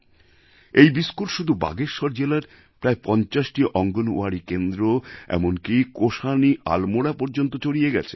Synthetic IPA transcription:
ejbiskuʈʃud̪ʱuba̰ɡeɾʃɔɾd͡ʑelaɾ | pɾaepɔnt͡ɕaʃʈiʔɔŋɡono̰aɾikend̪ɾoɛ̰monkikoʃaniʔa̰lmoɽapɔɾd͡ʑont̪ot͡ɕoɽijeɡɛ̰t͡ɕʰe̥̰

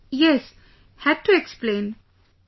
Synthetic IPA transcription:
jɛs | hæd̚tuɛksplẽːn

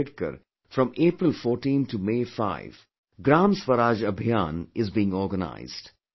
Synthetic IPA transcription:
ɪʈkə̰ɾ | fɾɔ̃meːpɾɪlfɔːɾʈĩːnʈʰːumeːfa̰ɪʋ | ɡɾãːmsʋəɾaːd͡ʒəbʱjãːnɪzbiːɪ̃ŋɔːɾɡəna̰ɪzɖ̥

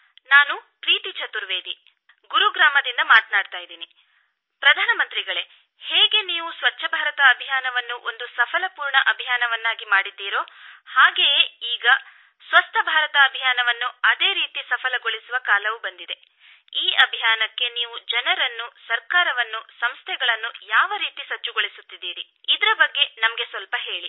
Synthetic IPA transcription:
naːnukɾiːt̪it͡ʃɐt̪uɾʋeːd̪i | ɡuɾuɡɾaːmɐd̪ind̪ɐmaːt̪naːɖt̪aːjid̪iːni | pɾɐd̪ʱaːnɐmɐnt̪ɾiɡɐɭe̞ | heːɡe̞niːʋusʋɐt͡ʃːʃɐbʱaːɾɐt̪ɐːbʱijaːnɐʋɐnːuʔo̞nd̪usɐpʰɐlɐpuːɾɳɐʔɐbʱijaːnɐʋɐnːaːɡimaːɽid̪ːiːɾo̞ːhaːɡejeiːɡɐ | sʋɐst̪ʰɐbʱaːɾɐt̪ɐːbʱijaːnɐʋɐnːuɐd̪e̞ːɾiːt̪isɐpʰɐlɐɡoɭisuʋɐkaːlɐʋubɐnd̪id̪e̞ | iːɐbʱijaːnɐkːe̞niːʋud͡ʒɐnɐɾɐnːusɐɾkaːɾɐʋɐnːusɐmst̪ʰɛɡɐɭɐnːujaːʋɐɾiːt̪isɐt͡ʃːuɡoɭisut̪ːid̪ːiːɾi | id̪ɐɾɐbɐɡːe̞nɐmɐɡe̞sʋɐlpɐɦe̞ːɭi

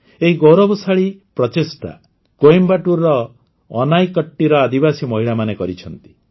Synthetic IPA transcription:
eɦiɡowɾɔbɔsaɭipɾɔt̪esʈa̰ | koembaʈuɾɔː | najkɔʈːiɾɔad̪ibasimɔɦiɭamanekɔɾit͡ʃʰɔnt̪i̥

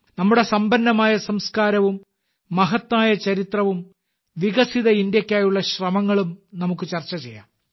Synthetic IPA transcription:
nɐmːuɽe̞sɐmbɐnːɐmaːjɐsɐmskaːɾɐʋumː | ɐɦɐt̪ːaːjɐt͡ɕɐɾit̪rɐʋum | ʋiɣɐsiðɐind̪jɐkʲːaːjuɭːɐɕrɐmɐŋːɐɭumnɐmukːɨt͡ɕɐrt͡ɕːɐt͡ɕe̞̰jːa̰ːm

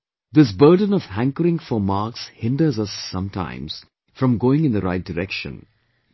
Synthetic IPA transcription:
d̪ɪs̬bəːɖə̃nɔv̥hæ̃ŋkəɾɪ̃ŋfəmaːkshɪ̃nɖəzʌsːʌ̃mtʰã̰ɪ̃mz̥ | fɾʌ̃mɡoːɪ̃ŋɪ̃nd̪əɾaɪt̚dɨɾɛkʃə̰̃n

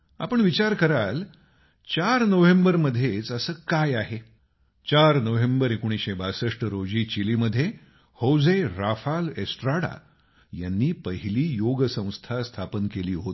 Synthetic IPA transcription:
a̰pəɳʋit͡ɕaɾkəɾal | t͡ɕaɾnəʋembəɾməd̪ʱːjet͡səsəːkajaɦe | t͡ɕaɾnəʋembəɾekoɽ̃iɕebasəʂʈəɾod͡ʑiːt͡ɕiliːməd̪ʱːje | howd͡zeɾafalesʈɾaɽa̰ | janːiːpəɦiliːjoɡsə̃w̃st̪ʰast̪ʰapənkeliːɦot̪

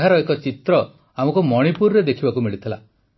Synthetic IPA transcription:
ɦaɾɔekɔt͡ʃit̪ɾɔ | amɔkumɔɽ̃ipuɾɾed̪ekʰibakumiɭit̪ʰila̰

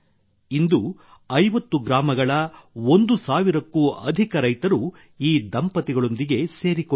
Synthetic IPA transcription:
ind̪u | ɐjʋɐt̪ːuɡɾaːmɐɡɐɭɐond̪usaːʋiɾɐkːuːɐ̰d̪ʱikɐɾɐjt̪ɐɾu | iːd̪ɐmpɐt̪iɡɐɭo̞nd̪iɡe̞se̞ːɾiko

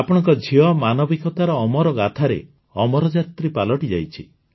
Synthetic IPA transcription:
apɔɽ̃ɔŋkɔd͡ʒʱiɔmanɔbikɔt̪aɾɔːmɔɾɔɡat̪ʰaɾḛ | ɔmɔɾɔd͡ʒat̪ɾipalɔʈid͡ʒa̰jt͡ʃʰi

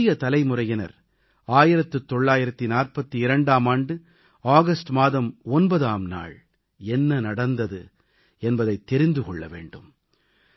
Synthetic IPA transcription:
jɐt̪ɐlɐɪmʊrɐjɪnɐ̰ɾ | aːjɪɾɐt̪ːɯt̪ːɔɭːaːjɪɾɐt̪ːinaːrpɐt̪ːɯɪɾɐɳɖaːmaːɳɖɯ | aːɣɐsʈmaːðɐmɔnbɐðaːmna̰ːɭ | ɛnːɐnɐɽɐnd̪ɐðɯ | ɛnbɐðɐɪt̪ːɛɾɪnd̪ɯkɔɭːɐ̰ʋḛːɳɖɯm

